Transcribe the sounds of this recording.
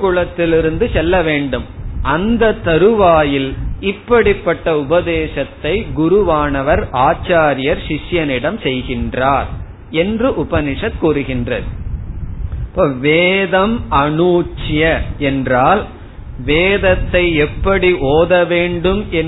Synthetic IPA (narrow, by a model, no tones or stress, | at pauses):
kʊɭɐt̪ːɪlɪɾɯnd̪ɯsɛlːɐʋeːɳɖɯmʔɐnd̪ɐt̪ːɐɾɯʋaːjɪlɪpːɐɽɪpːɐʈːɐʊbɐðeːʂɐt̪ːɐɪɡʊɾʊʋaːnɐʋɐɾaːt͡ʃːaːɾɪjɐɾsɪʂjɐnɪɽɐmsɛjɣɪndraːɾ | ɛndrɯʔʊbɐnɪʂɐt̪̚kuːɾɯɣɪndrɐðɯ | poːʋeːðɐmɐɳuːt͡ʃːɪjɐɛndraːl | ʋeːðɐt̪ːɐɪɛpːɐɽiʔoːðɐʋeːɳɖɯmɛn